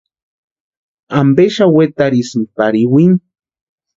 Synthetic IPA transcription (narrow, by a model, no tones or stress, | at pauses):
ambeʃawet̪aɾismpaɾiwiŋ